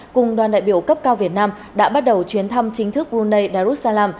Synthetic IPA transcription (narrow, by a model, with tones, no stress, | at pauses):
kʊ˨˩ŋ͡mɗwaː˨˩nɗa̰ː˧˨jɓḭ˧˩əwkə˦˥p̚kaː˧wvi˨˩ət̚naː˧m | ɗa̰ː˧˥ɓa˦˥t̚ɗə˨˩wt͡ɕwi˨˦ənt̪ʰa˧mt͡ɕï˨˦ŋt̪ʰɨ˦˥k̚lu˧nːə˧jɗaː˧zu˦˥t̚saː˧laː˧m